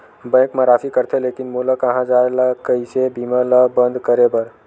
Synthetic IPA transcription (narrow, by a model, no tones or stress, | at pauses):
bə̃j̃kmaɾapʰikəɾt̪ʰelekinmoləkə̃ɦãd͡ʒaeləkəisebimələbənd̪ʱkəɾebəɾ